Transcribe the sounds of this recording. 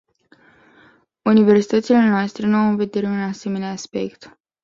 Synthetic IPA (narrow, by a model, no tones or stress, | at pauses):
unive̞rsi̥t̪ət̪sile̞noast̪ɾe̞nuawɨnve̞d̪e̞ɾe̞unase̞me̞neaːspe̞̰kt̪